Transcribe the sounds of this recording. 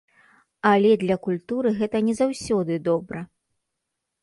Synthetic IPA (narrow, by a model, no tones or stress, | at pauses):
ɐlʲɛd̪lʲɐkulʲt̪uɾɨɣɛt̪ɐnʲɛzawsʲɔd̪ɨd̪ɔbɾɐ